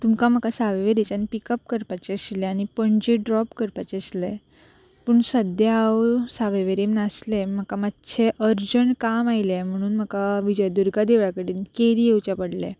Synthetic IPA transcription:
t̪umkam̤əkasaʋəʋeɾet͡sañipikəp̚kəɾpat͡ɕeəɕleañipəɳd͡ʑeɖɾɔpkəɾpat͡ɕeəɕle | pəɳsəd̪jaawsaʋeʋeɾemnaslem̤əkamatɕʰeʔəɾd͡ʑəɳkamajlem̤əɽ̃uːnm̤əkaʋid͡ʑəjd̪uɾɡad̪eʋɭjakəɽiːnkeɾiewt͡ɕapəɽlḛ

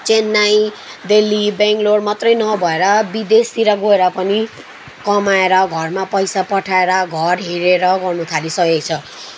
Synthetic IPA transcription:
t͡senːaj | d̪elːibẽŋkloɽmat̪rʌjnʌbʱʌeɾʌbid̪est̪iɾʌɡoeɾʌpʌni | kʌmaeɾʌɡʱʌrmapʌjsapʌʈʰaeɾʌɡʱʌrɦeɾeɾʌɡʌrnut̪ʰalisʌɦjoɡt͡sʰʌ

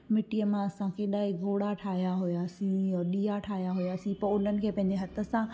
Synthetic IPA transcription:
mɪʈijəmãɐsãkʰeɗaːɪɡʱoːɽaʈʰaːɦjaɦʊjaːsĩɔɗiːaʈʰaːɦjaɦʊjaːsĩpɐʊlənɪ̆kʰeːpɐ̃ɦɪ̃ɲd͡ʑeɦɐt̪ʰə̆sã

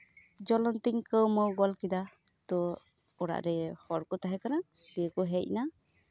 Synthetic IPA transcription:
d͡ʒɔlɔnt̪iŋkəwmɔwɡɔlkid̪a | t̪ɔ | ɔɽa̰ʔɾɛhɔɾkɔt̪aɦɛkana | biəkɔɦɛc̚na

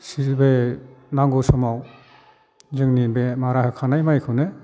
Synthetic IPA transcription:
sizbejnaŋɡɔsɔmaw | zɯŋninbemaɾahɯkʰanajmajkʰɯwne

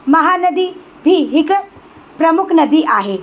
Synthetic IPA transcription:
mɐɦaːnɐd̪iː | bʱiːɦɪk | pɾɐmʊkʰnɐd̪iʔaːɦe

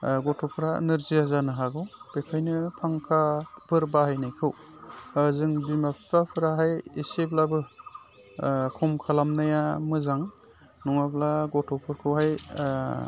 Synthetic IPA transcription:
ɡɔtʰɔpʰɯɾa̰nɯɾziazanɯɦaɡɯwb̥ekʰajnɯpʰaŋkʰabɯɾbahajnajkʰɯw | zɯŋbimapʰapʰɯɾaɦajeseblabɯ | kʰɔmkʰalamnajamɯzaŋ | nɔŋablaɡɔtʰɔpʰɯɾkʰɯwɦaj

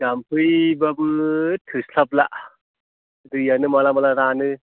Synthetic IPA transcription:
ɡampʰɯjbabɯtʰɯslapla̰ʔ | dɯjanɯmalamalaɾanɯ

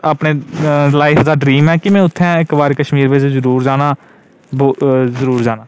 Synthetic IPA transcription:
apneːlaːɪfd̪aːɖɾiːmɦɛːkɪmɛ̃ːʊt̪ʰːɛ̃ːɪkbaːɾekəʃmiːɾʋɪd͡ʒzəɾuːɾd͡ʒaːnaː | boːzəɾuːɾd͡ʒaːnaː

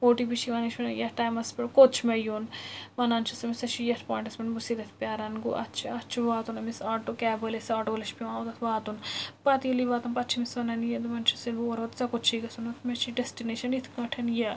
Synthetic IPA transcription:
oːʈibit͡ʃʰiʋɐnit͡ʃʰɐnjɐʈaːjmɐspeɽkot͡ʃʰmɐjoːnʋɐnaːnt͡ʃʰɐsɐmisɐt͡ʃʰijɐt̪ʰpãːɳʈɐsmɐnbusid̪ɐt̪ʰpʲjaːɾɐnɡṵʔɐ̰tt͡ʃʰiɐtːt͡ʃʰiʋaːt̪unɐmisaːʈokɛːbɐlesaːʈoɡlɐʃpiʋãːut̪ɐt̪ʰʋaːt̪unpat̪iuliʋaːt̪unpɐt̪ːt͡ʃʰimisʋɐnɐnjɐd̪umɐnt͡ʃʰɐ̥sinoɐɾʋɐt̪sɐkot͡ʃʰikɐsunɐt̪ʰmet͡ʃʰiɖesʈineːʃɐnit̪ʰkɐ̃ʈʰɐnjɐ

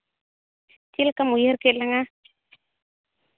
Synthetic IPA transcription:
t̪ilkamujeɾkelaŋa

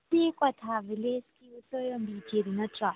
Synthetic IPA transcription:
tikʼwatʰavileskiusɔjɔmbid͡ʒeɾinatra

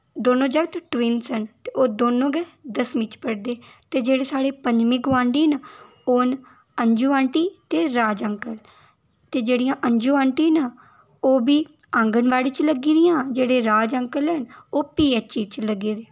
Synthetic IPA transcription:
d̪oːnõːd͡ʒəɡt̪ʈʋinsənt̪eːoːd̪oːnõːɡɛːd̪əsmɪ̃t͡ʃpəɽd̪eː | t̪eːd͡ʒeːɽeːsaːɽeːpəɲd͡ʒmĩːɡʊãːɳɖiːn | oːn | əɲd͡ʒuːaːɳʈiːt̪eːɾaːd͡ʒəŋkəl | t̪eːd͡ʒeːɽijãːʔəɲd͡ʒuːãːɳʈiːna | oːbiː | ãːŋɡənʋaːɽiːt͡ʃləɡiːɾɪjãːd͡ʒeːɽeːɾaːd͡ʒəŋkəlɦənoːpiːɛːt͡ʃiːt͡ʃləɡiːɾeː

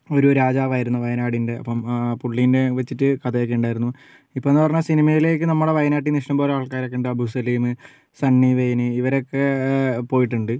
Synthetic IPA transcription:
o̞ɾuɾaːd͡ʑaːʋaːjiɾunːɐʋɐjɐnaːɽinde̞ɐ̰pːɐmpuɭːijnde̞ʋet͡ɕːitːɨkɐd̪ɐjokːeuɳɖaːjiɾunːu | ipːoːenːɨpɐrɐɲːasinimɐjile̞ːk̬ːɨnɐmːuɽeʋɐjɐnaːʈːiniʂʈɐmbo̞ːleaːɭkaːjɾokːeːɳɖɨɐbʱusɐliːmɨ | sɐɳːiʋejnɨiʋɐɾo̞kːe̞po̞ːjiʈ̬ːuɳɖɨ

